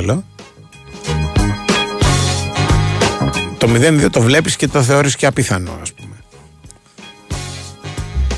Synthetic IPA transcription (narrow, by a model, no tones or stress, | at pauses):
lo | t̪o̞miðe̞nðiot̪o̞vle̞pisce̞t̪o̞θe̞o̞ɾisceɐpiθɐno̞̰ɐ̰spume̞